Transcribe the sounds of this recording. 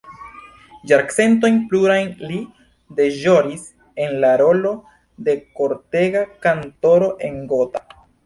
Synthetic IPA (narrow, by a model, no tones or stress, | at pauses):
d͡ʒaɾkse̞nto̞jnpluɾajnli | de̞ʒo̞ɾis | e̞nlaɾo̞lo̞ | de̞ko̞ɾte̞ɡakanto̞ɾo̞ʔe̞ŋɡo̞ta